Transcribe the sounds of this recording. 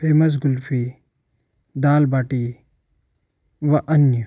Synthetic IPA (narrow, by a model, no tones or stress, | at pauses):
peːmɐs̬ɡʊlfʰi | d̪aːlbaːʈi | ʋɐʔɐnjə